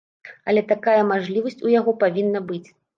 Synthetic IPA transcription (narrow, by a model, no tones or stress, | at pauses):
ɐlʲɛt̪akajɐmaʐlʲivɐsʲt͡sʲujaɣɔpavʲinːɐbɨt͡sʲ